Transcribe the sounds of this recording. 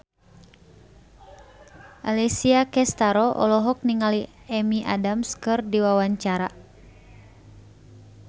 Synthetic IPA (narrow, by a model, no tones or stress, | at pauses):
ʔalisiakɛst̪aɾɔʔɔ̰lɔɦɔk̚niŋali | ɛmiʔa̰damskɨrdiwawaɲt͡ʃaɾa